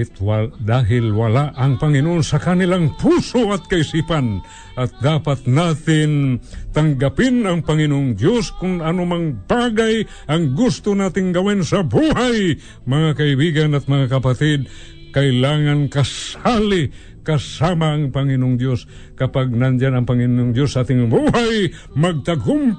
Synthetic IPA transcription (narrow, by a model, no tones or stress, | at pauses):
ɪt̪wad̪aːɦɪlwɐlaʔɐŋpɐŋɪnoʔonsɐkanɪlaŋpusoʔɐt̪̚kɐɪsipan | ʔɐt̪̚d̪aːpat̪nat̪ɪnt̪aŋɡapɪnɐŋpɐŋɪnoʔŋd̪joskʊnanʊmaŋbaɡaj | ʔɐŋɡʊst̪ʊnaːt̪ɪŋɡɐwinsɐbuhaj | maŋakaibiɡanat̪̚maŋakapat̪ɪd̪̚ | kaɪlaːŋankasalɪ | kasamaːŋpaŋɪnʊŋd̪jos | kɐpaɡ̚nand͡ʒanɐŋpaŋɪnoŋd̪josnat̪ɪŋbuɦaj | maɡ̚t̪aɡʊm